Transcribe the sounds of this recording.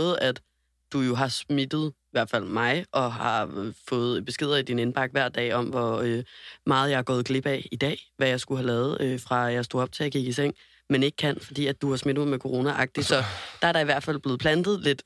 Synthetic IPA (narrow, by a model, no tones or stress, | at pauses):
ð̩ˠæd̥ | d̥ujo̝ɦɑ̈smid̥ð̞̩ˠiʋæɐ̥fæl̰mɑ̈ɪʔɒ̽ɦɑ̈fɔ̽ːð̞̩ˠb̥e̝sɡ̥e̝ð̞̰ˠɐid̥inenb̥ɑ̈ɡ̥ʋæɐ̰d̥ɛ̰ːɒ̽mʋɒømɑ̈ːð̞̩ˠjɑ̈ɑ̈ɡ̥ɔːð̩ˠɡ̥le̝b̥ɛ̰id̥ɛ̰ːʋæjɑ̈ɪsɡ̥uɦælɛːð̩ˠøfʁɑ̈jɑɪsd̥o̝̰ːɒ̽b̥̚t͡sʰe̝æɡ̥iɡ̥is̬eŋ̰ | mene̝ɡ̥̚kʰæn̰fɒ̽d̥ḭːæd̥uhɑ̈smid̥̩mɑɪmekʰo̝ʁo̝ːnæʔɑ̈ɡ̥̚d̥i̥sɒ̽d̥ɑ̈æɐɾ̥ɑ̈iʋæɐ̰̥fæl̰ˠb̥le̝ːpʰlænd̥ð̞̩ˠle̝d̥